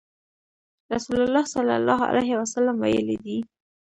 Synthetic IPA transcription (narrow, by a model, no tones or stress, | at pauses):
ɾasulalːɑhsalːa̰lɑɦa̰lajɦɪwasalːamwajəlid̪i